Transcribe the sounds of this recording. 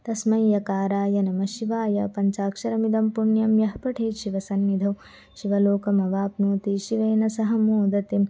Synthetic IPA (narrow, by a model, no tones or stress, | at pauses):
t̪ɐsmɐjːɐkaːɾaːjɐnɐmɐʃiʋaːjɐ̰pɐɲt͡ʃaːkʂɐɾɐmid̪ɐmpuɳjɐmjɐɦpɐʈʰeːʃiʋɐsɐnːid̪ʱɐw | ʃiʋɐloːkɐmɐʋaːpnuːt̪iʃiʋeːnɐsɐɦɐmoːd̪ɐt̪im